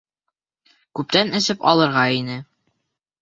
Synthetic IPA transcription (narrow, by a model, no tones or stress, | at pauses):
kʉp̚t̪ænɘ̆sɘpɑlˠɤ̆ɾʁɑinɘ